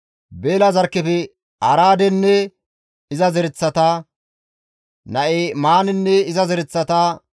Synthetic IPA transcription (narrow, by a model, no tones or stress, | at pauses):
beːlɐzɐɾkːɛfɛ | ɐ̰ɾaːd̪ɛnːɛ | ɪzɐzɛɾɪt͡sːɐt̪a | nɐʔemaːnɪnːɛɪzɐzɛɾɪt͡sːɐt̪a